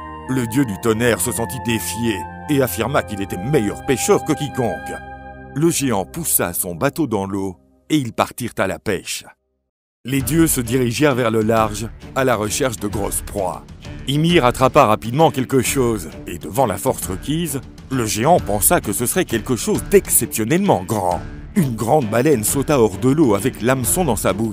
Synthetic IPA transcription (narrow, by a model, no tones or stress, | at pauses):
ləd̪jød̪yt̪ɔnɛʁsəsɑ̃t̪id̪efje | eafiʁmakilet̪ɛmɛjœʁpeʃœʁkəkʲikɔ̃kləʒeɑ̃pusa̰sɔ̃bat̪od̪ɑ̃lo | eilpaʁt̪iʁt̪ala̰pɛʃ | led̪jøsəd̪iʁiʒɛʁvɛʁləlaʁʒalaʁəʃɛʁʃd̪əɡʁɔ̰spχwa̰imiʁat̪χapaʁapid̪mɑ̃kʲɛlkəʃoz | ḛd̪əvɑ̃la̰fɔʁsʁəkʲiz | ləʒeɑ̃pɑ̃sakəsəsəʁɛkʲɛlkəʃozd̪ɛksɛpsjɔnɛlmɑ̰̃ɡʁɑ̰̃ | ynɡʁɑ̃d̪balɛnsot̪aɔʁd̪əloavɛklamsɔ̃d̪ɑ̃sabuʃ